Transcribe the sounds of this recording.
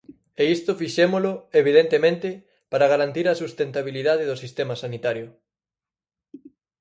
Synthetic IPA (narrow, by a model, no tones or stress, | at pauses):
eist̪ʊfiʃemolʊeβ̞iðent̪emẽnt̪ɪ | paɾaɣaɾant̪iɾɐsust̪ent̪aβiliðað̞eðʊsist̪emɐsanit̪aɾjʊ